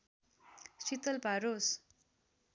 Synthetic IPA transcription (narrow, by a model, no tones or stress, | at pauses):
sit̪ʌlpaɾos